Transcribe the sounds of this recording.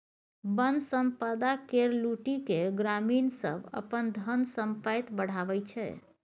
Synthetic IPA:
bənd̪səmpəd̪akeɾluʈikeɡɾaminsə̰bʱə̰pənd̪ʱənsəmpəjt̪bəɽ̤aʋɛt͡ʃʰɛ̰

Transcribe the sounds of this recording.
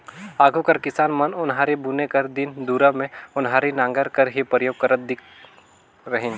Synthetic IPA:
aːɡʱukɐɾkɪsaːnmɐnʊnɦaːɾibunekɐɾd̪ɪnd̪uːɾəmẽʊnɦaːɾinãːŋɡəɾkɐɾɦipɾəjoːɡ̚kəɾət̪̚d̪ɪk | ɾɐɦɪn

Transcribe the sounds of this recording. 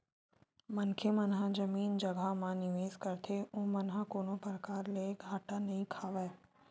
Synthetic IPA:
mɐnkʰemɐnɦãd͡ʒɐmiːnd͡ʒɐɡamãnɪʋeːzkɐɾt̪ʰeõːmɐnɦãkoːnopəɾəkaːɾleɡʱɦaːʈanɐɦĩkʰaːʋɛː

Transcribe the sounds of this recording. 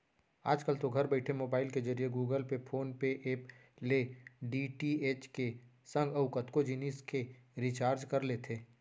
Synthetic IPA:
a̰ːd͡ʒkəlt̪oɡʱɐɾbɛɪʈʰemoːbaːɪlked͡ʒɐɾijeɡuːɡəlpepʰoːnpeʔeːp | leɖiʈieːt͡ʃke | sə̃ŋɡɐʋʊkɐt̪kod͡ʒiniskeɾit͡ʃaːɾd͡ʒkɐɾlet̪ʰeː

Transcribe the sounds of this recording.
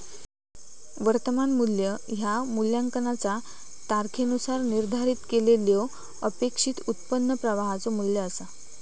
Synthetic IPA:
ʋəɾt̪əmanmuljəɦjamuljaŋkənat͡sa | t̪aɾkʰenusaɾniɾd̪ʱaɾiːt̪keleljo | əpekʂiːt̪ut̪pənːəpɾəʋaɦat͡sɔmuljəəsa

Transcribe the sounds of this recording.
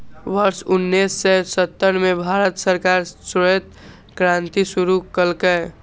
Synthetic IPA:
ʋəɾsʊnːisːesət̪ːəɾmebʱaɾət̪səɾkaɾsoet̪̚ | kɾãnt̪isuɾukəlke

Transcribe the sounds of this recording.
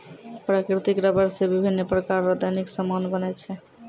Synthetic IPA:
pɾakɾit̪ikɾəbəɾsebibʱinːpɾəkaɾːad̪ajniksəmonbənɛt͡ʃʰɛ

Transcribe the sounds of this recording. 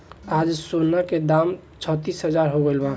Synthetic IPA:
ad͡ʒsonːaked̪am | t͡ʃʰət̪isɦəd͡ʒaɾɦoɡelba

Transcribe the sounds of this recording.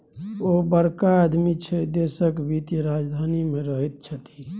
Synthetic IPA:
obəɾkaːd̪mit͡ʃʰɛd̪esəkbʱit̪ɾad͡ʒd̪ʱanimeɾəɦit̪̚t͡ʃʰət̪i

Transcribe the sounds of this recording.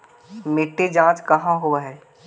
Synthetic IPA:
mɪʈːed͡ʒãːt͡ʃkɐɦãɦoaɦɛː

